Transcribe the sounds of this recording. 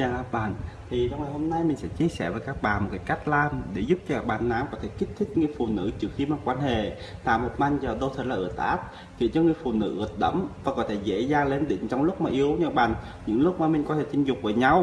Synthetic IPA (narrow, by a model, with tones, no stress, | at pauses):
aː˧˩aː˦˥ɓa̰ː˧˨nt̪ʰi˨˩a˧wŋa˨˩jho˧mna˧jmï˨˩ŋsɛ̰˧˥t͡ɕi˧əsɛ˧˩vəː˨˩jkaː˦˥k̚ɓaː˨˩nmo˨˩kaː˧˦jka˦˥jk̟̚laː˧˩nɗe˧˩zʊ˦˥p̚t͡ɕɔ˧kaː˦˥ɓaː˨˩nːa̰ː˧˥ŋkɔ˨˦t̪ʰe˧˩ki˦˥t̚t̪ʰï˦˥k̟̚ŋɨ˨˧˩əjfṵ˨˩nɨ̰˧˥t͡ɕɨ˦˥əkxi˧maː˨˩kwaː˧nhḛ˧˨ | t̪a̰ː˧˨mo˨˩t̚ma˧˩ŋ̟zəː˨˩ɗo˧wt̪ʰə˨˩lːʔɨ̰˧˩ət̪̚ʔaː˦˥p̚ | kḭ˧˨ət͡ɕɔ˧ŋɨ˨˩əjfṵ˨˩nɨ̰˧˥ʔɨ˨˩ət̚ɗə̰˧˥mvaː˨˩kɔ˨˦t̪ʰe˧zḛ˧˥zaː˨˧ŋle˧nɗï˧˩˦ŋ̟t͡ɕɔ˧wŋ͡mlʊ˦˥k͡p̚maː˨˩ʔi˨˧˦əwɲə̰ː˧˦ɓa̰ː˨˩ŋ | ɲɨ̰˧˥ŋlʊ˦˥k͡p̚maː˨˩mi˨˩ŋ̟kɔ˨˦t̪ʰe˧˩t͡ɕ̪ï˧ŋ̟zʊ˨˩k͡p̚vəː˧˩ɲa˧w